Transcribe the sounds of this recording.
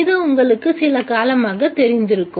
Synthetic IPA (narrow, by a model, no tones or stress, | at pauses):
ɪðɯʊŋɡɐɭɯkːɯsɪlɐkaːlɐmaːɣɐt̪ːɛɾɪnd̪ɪɾɯkːɯ